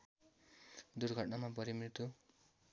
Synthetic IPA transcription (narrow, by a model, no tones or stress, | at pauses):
d̪uɾɡʱʌʈnamapʌɾimɾit̪u